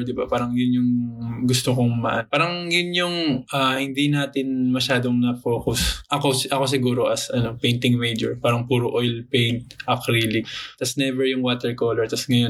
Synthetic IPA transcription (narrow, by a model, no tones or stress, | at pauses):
d̪ɪbapaːɾɐŋjʊnjʊŋɡʊst̪okoŋmɐ̰ʔanpaːɾɐŋjʊnjʊŋʔahɪnd̪inaːt̪ɪnmɐʃaːd̪oŋnɐkoːkʊsʔɐkosʔɐko̞s̬ɪɡuːɾo̞ʔɐsʔɐno̞pɛjnt̪ɪŋmejd͡ʒɛɹpaːɾɐŋpuːɾoʔojlpɛjnt̪̚ʔɐkɾiːlɪk̚t̪ɐsnɛvɛɹjʊŋwaːt̪ɛɹkolɛɹt̪ɐsŋɐjo